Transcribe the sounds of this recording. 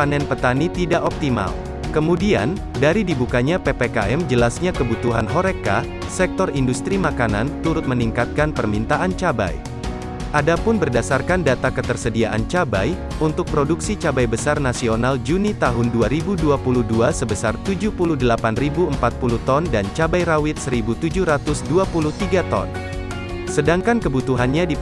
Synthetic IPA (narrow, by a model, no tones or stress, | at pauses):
panɛnpət̪anit̪idaʔɔp̚t̪ima̰l | kəmudia̰n | daɾidibukaɲapepekaʔɛmd͡ʒəlasɲakəbut̪uɦanɦoɾeka̰ | sɛk̚t̪ɔrindust̪ɾimakanant̪uɾʊt̪̚məniŋkat̪̚kanpərmint̪aʔant͡ʃaba̰j | ʔadapʊnbərdasarkandat̪akət̪ərsədiaʔant͡ʃaba̰j | unt̪ʊk̚pɾoduksit͡ʃabajbəsarnasionald͡ʒunit̪aɦʊnduaɾibuduapuluhduasəbəsart̪ud͡ʒuhpuluhdəlapanribuəmpat̪̚puluht̪ɔndant͡ʃabajɾawɪt̪̚səɾibut̪ud͡ʒuhɾat̪ʊsduapuluht̪iɡat̪ɔ̰n | sədaŋkankəbut̪uɦanɲadi